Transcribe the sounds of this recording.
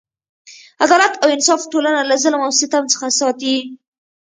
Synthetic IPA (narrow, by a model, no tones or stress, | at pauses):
ad̪ɑlat̪awɪnsɑfʈolanalazəlamawsɪt̪amt͡sə̥xasɑt̪i